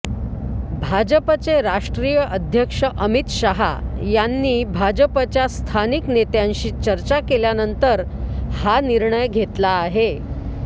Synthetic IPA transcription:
bʱad͡ʑəpət͡seɾaʂʈɾijəʔəd̪ʱjəkʂəʔəmit̪ɕaɦa̰janːiːbʱad͡ʑəpət͡ɕjast̪ʰaniknet̪jãnɕiːt͡ɕəɾt͡ɕakeljanənt̪əɾ | haniɾɳəjɡʱet̪laːɦe

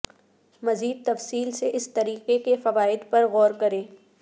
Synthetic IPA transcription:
mɐziːd̪̚t̪ɐfsiːlseʔɪst̪ɐɾiːqekefɐʋaːɪd̪pɐɾɣɔːɾkɐɾẽː

